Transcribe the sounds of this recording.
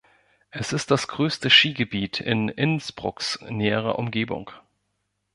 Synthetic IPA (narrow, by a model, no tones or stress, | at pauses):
ʔɛsɪst̚d̥asɡ̥ʁøːstəʃiːɡəbiːtʰɪ̰nɪnsb̥ʁʊksnɛːəʁɐ̰ʔʊmɡeːbʊ̰ŋ